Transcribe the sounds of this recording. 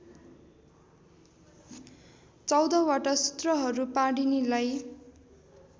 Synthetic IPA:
t͡sʌwd̪ʌwaʈʌsu̥t̪rʌɦʌɾupaɽinilaj

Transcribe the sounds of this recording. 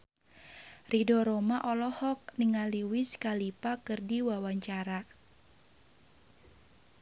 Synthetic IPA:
ridɔɾomaʔɔlɔhɔk̚niŋaliwɪskalipakɨrdiwawaɲt͡ʃaɾa

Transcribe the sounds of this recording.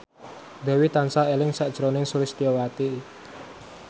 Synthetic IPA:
d̪̥ɛ̤wit̪ansaelɪŋsaʔd̥ʒ̥əɾonɪŋsulɪst̪iowat̪i

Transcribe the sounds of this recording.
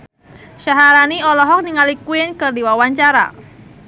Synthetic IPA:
ʃaɦaɾaniɔlɔɦɔk̚niŋalikuɪnkɨrdiwawaɲt͡ʃaɾa̰

